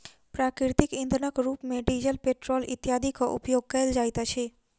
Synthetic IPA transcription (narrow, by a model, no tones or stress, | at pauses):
pɾakɾiɾt̪ikind̪ʱnəkɾupmeɖiɾjəlpeʈɾolḭt̪jad̪ʱikoʔṵpjoɡ̚kəeld͡ʒajt̪at͡ʃʰe